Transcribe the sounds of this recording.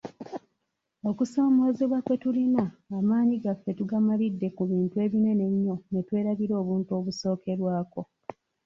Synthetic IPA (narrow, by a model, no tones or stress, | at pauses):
okuso̞ːmo̞ziβwakwe̞tulinaːmaːɲiɡafːe̞tuɡamalidːe̞kuβiːntue̞βine̞ne̞ɲːo̞ne̞twe̞ːɾaβiɾo̞ːβuːntuo̞βuso̞ːke̞ɾwaːko̞